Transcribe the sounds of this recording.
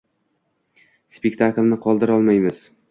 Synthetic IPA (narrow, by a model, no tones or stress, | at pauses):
spekʲt̪ʰaklˠnɪqʰɒlˠd̪ɪɾɒlˠmajmɪz̥